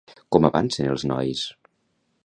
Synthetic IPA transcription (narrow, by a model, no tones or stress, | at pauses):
kɔməβa̰nsənə̰lˠznɔ̰js